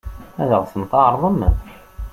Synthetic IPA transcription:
æðəʁθənt̪ɑʕɾˤðˤəmːə

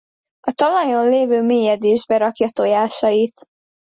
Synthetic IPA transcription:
ɒt̪ɒlɒjonleːvøːmeːjɛd̪eːʒbɛɾɒkjɒt̪ojaːʃɒjit̪

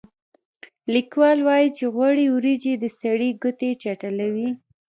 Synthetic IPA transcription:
likwɑlwɑjit͡ʃeɣwaɽiwɾid͡ʒed̪əsaɽiɡʊt̪et͡ʃaʈalawi

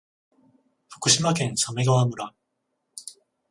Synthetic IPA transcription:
ɸɯ̥k͈ʰɯɕ͈ʰimakensameɡawamɯɾa

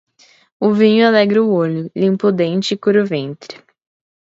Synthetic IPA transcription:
ʊvĩɲʊalɛɡɾɪʊoʎʊlĩpʊd̪ẽnt͡ʃɪkuɾʊvẽnt̪ɾɪ

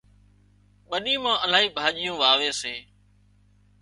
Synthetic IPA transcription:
ɓəɗiːmãːʔəlaːɦiːbʱaːʄɪjũːʋaːʋeːseː

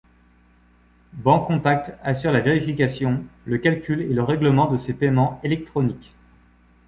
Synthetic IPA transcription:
bɑ̃kːɔ̃t̪ak̚t̪asyʁlaveʁifikasjɔ̃ləkʲalkʲyleləʁɛɡləmɑ̃d̪əsepɛmɑ̃elɛk̚t̪χɔnik

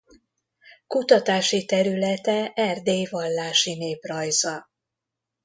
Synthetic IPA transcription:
kut̪ɒt̪aːʃit̪ɛɾylɛt̪ɛʔɛrd̪eːjvɒlːaːʃineːprɒjzɒ

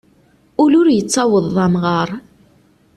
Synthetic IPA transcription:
ʊlʊɾjət͡sːɑwəðˤːɑmʁəɾˤ

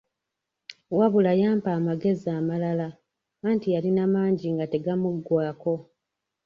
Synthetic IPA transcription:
waβulajaːmpaːmaɡe̞ziaːmalala | maːntijalinamaːɲɟiŋɡate̞ɡamuɡwaːko̞

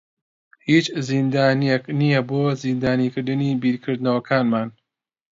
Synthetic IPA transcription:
hiːt͡ʃzind̪aːnijeknijɐboːzind̪aːnikɨɾd̪ɨniːbiːɾkʰɨɾd̪nɐwɐkʰaːnmaːn

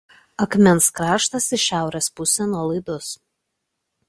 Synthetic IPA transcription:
ɐkmʲɛnskɾɑːʃt̪ɐsɪʃʲæˑʊɾʲespʊsʲɛnuɔlˠɐɪd̪ʊs

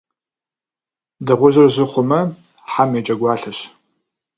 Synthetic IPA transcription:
dɐʁʷʊʑɐrʑɪχʷʊmɐ | ħamjɛt͡ʃʼɐɡʷɑːɬɐɕ

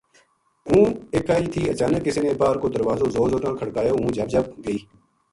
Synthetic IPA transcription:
ũːeːkaːiːt̪ʰiːət͡ʃaːnəkːɪsiːnẽːbaːɾkoːd̪əɾʋaːzõːzoːzoːt̪ãːkʰəɽkaːjoːũːd͡ʒəb̚d͡ʒəb̚ɡəiː

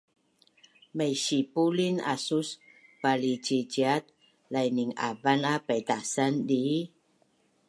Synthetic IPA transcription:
məjɕipulina̰sus | palit͡ʃid͡ʒiat̪̚ | lajniŋa̰vanapat̪asandi

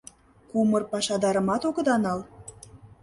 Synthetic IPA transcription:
kumɤrpɑʃɑd̪ɑɾɤ̆mɑt̪oɣɤ̆d̪ɑnɑl

